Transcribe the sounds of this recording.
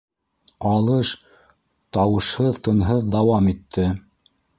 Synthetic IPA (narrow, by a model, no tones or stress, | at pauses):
ɑlˠɤʃ | t̪ɑwɤ̆ʃhɤðt̪ɤ̆nɦɤðd̪ɑwɑmit̪ʰːɘ